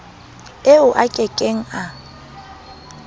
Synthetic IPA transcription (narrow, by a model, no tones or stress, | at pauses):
eʊʔakʼɛkʼeŋ̩a